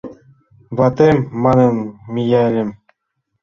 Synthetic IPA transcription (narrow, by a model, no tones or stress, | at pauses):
vɑt̪emːɑnɤ̆nmʲijælʲɘ̆m